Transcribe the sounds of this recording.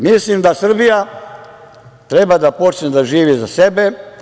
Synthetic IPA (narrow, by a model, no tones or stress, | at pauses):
mislimd̪asr̩bija | t̪ɾebad̪apo̞t͡ʃned̪aʒiːʋizasebe